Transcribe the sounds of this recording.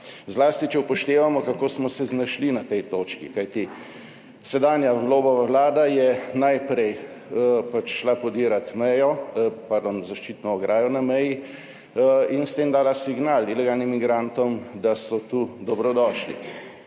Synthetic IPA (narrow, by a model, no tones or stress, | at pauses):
zlaːst̪it͡ʃɛupɔʃt̪eːʋamɔkakoːsmɔsɛznaʃlinat̪ɛjt̪oːt͡ʃkikajt̪i | sɛd̪aːnjawloːbɔʋaʋlaːd̪ajɛnajpɾɛj | pat͡ʃʃlapɔd̪iːɾat̪mɛjɔpaɾd̪oːnzaʃt͡ʃiːt̪nɔːɡɾʔaːjɔnamɛji | inst̪eːmd̪aːlasiɡnalilɛɡalnimːiɡɾant̪ɔmd̪asɔt̪uːd̪ɔbɾɔd̪ɔːʃlḭ